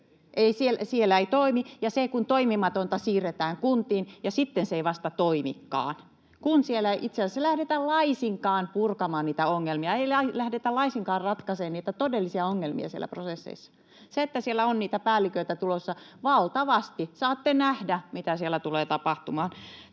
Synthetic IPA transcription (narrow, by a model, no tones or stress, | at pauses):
ʔeisielsielːæeit̪oimijɑsekunt̪oimimɑt̪ont̪ɑsiːret̪æːŋkunt̪iːnjɑsit̪ːenseeiʋɑst̪ɑt̪oimḭkːɑ̰ːn | kunsielæʔit̪seælsselæhdet̪ællɑisiŋkɑːnpurkɑmɑːnniːt̪æoŋːelmiɑeilælæhdet̪ælɑisiŋkɑːrrɑt̪kɑseːnniːt̪æt̪odelːisiɑoŋːelmḭɑ̰siḛlːˑæ̰prosesːḛisːɑ̥ | seet̪ːæsielːˑæonniːt̪æpæːlːikøit̪æt̪ulosːɑʋɑlt̪ɑʋɑst̪isɑːt̪ːenæhdæmit̪æsielːˑæt̪uleːt̪ɑpɑht̪umɑːn